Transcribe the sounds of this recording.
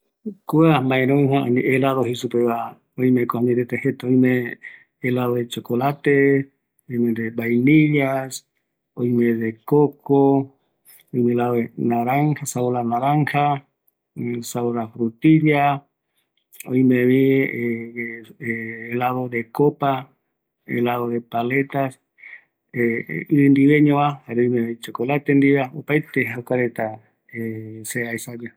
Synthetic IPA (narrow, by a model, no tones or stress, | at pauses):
kuamãeɾoiɦãaniʔelaðohisupeβa | ojmekoaɲeɾet̪ehet̪aojmeː | laðoet͡ʃokolat̪e | ojmed̪ebajniʎas | ojmeðekoko | ojmelaoenaɾaŋhasaoɾanaɾaŋha | saoɾafɾut̪iɾja | oj̃mẽβi | laðoðekopa | ḛlaðoðepale̞t̪as | eind̪iβeɲõβahaɾeojmeβit͡ʃokolat̪end̪iβeaopajt̪eɦawkaɾet̪a | eseajsad͡ʒa